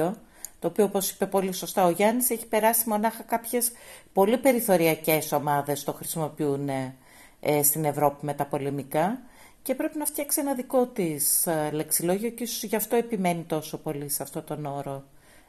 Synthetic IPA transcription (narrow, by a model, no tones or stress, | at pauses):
o̞ | t̪o̞ːpio̞opo̞si̥pe̞po̞liso̞st̪ɐoʝɐniseçi̥pe̞ɾɐsimo̞nɐxɐkɐpçe̞spo̞lipe̞ɾiθo̞ɾiɐce̞so̞mɐðe̞st̪o̞xɾisimo̞piune | st̪ine̞vɾo̞pime̞t̪ɐpo̞le̞mikɐ | ce̞pɾe̞pinɐft̪çɐksienɐðiko̞t̪isle̞ksiloʝioceisosʝɐft̪o̞e̞pime̞nit̪o̞so̞po̞liseɐft̪o̞t̪o̞no̞ɾo̞